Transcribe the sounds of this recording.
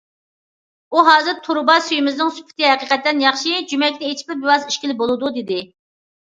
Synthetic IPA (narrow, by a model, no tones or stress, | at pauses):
uɦɑːzɨɾt̪ʰuɾbɑsyjimɪznɨŋsy̥pʰɪ̥t̪ɪɦɛqiqɛt̪ːɛnjɑχʃid͡ʒymɛkʲnɪet͡ʃʰi̥pɪbɪwɑziʃkʲilɪbolˠɨd̪ud̪ɪd̪ɪ